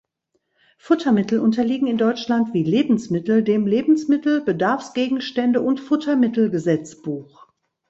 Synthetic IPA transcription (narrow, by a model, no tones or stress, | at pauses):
fʊtʰɐmɪtl̩ʔʊntɐliːɡŋ̩ɪndɔʏt͡ʃlantv̥iːleːbm̩smɪtl̩deːmleːbn̩smɪtl̩bədaɐfsɡ̥eːɡŋ̩ʃtɛndəʔʊntfʊtʰɐmɪtl̩ɡəzɛt͡sb̥uːx